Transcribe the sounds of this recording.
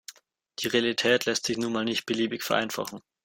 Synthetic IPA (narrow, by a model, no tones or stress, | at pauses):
d̥iːʁealitʰɛːtlɛstz̥ɪçnuːnmaːlnɪçt̚b̥əliːbɪçfɛɐʔa̰ɪnfa̰χn̩